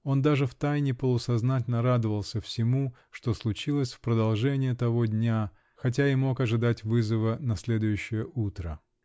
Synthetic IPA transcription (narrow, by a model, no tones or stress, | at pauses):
o̞nd̪aʐɨft̪ajnʲɪpəlˠʊsɐznatʲɪlʲnəɾad̪ɨvəlˠsʲəfsʲɪmu | ʂt̪o̞slˠʊt͡ɕilˠəsʲfpɾəd̪ɐlˠʐɛnʲɪjət̪ɐvo̞dʲnʲa | xɐt̬ʲaɪmo̞kɐʐɨd̪atʲvɨzəvənɐsʲlʲe̞d̪ʊjʉɕːɪjəʔut̪ɾə